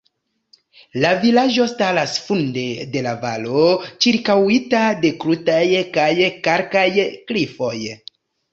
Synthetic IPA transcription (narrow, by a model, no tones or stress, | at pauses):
lavilad͡ʒo̞stalasfunde̞de̞lava̰lo̞t͡ʃiɾkawitade̞kɾutajkajkaɾkajklifo̞j